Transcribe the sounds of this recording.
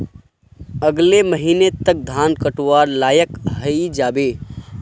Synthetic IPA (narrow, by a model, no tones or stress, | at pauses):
əɡleməɦinet̪ək̚d̪ʱaːnkəʈwaːɾlaːjəkɦəid͡ʒaːbe